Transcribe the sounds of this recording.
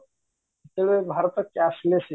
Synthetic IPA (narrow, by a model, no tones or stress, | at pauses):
t̪eʋebʱaɾt̪əkːaslese